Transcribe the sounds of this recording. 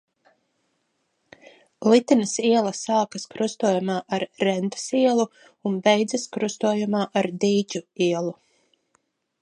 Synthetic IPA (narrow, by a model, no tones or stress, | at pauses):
lit̪inɐsiɛlˠɐsaːkɐskɾust̪uɔjumaːʔaɾːɛnt̪ḁsiɛlˠu | unbɛjd̪zɐskɾust̪uɔjumaːʔaɾd̪iːt͡ʃʲuiɛlˠu